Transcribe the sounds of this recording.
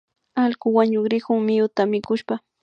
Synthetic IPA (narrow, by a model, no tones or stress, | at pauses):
alkʊwaɲʊkɾɪkʊŋmɪjʊt̪amɪkʊʃpa